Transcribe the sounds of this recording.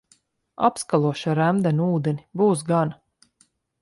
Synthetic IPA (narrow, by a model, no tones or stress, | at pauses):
a̰pskalˠuɔʃaɾæmd̪ɛnuːd̪enibuːs̬ɡana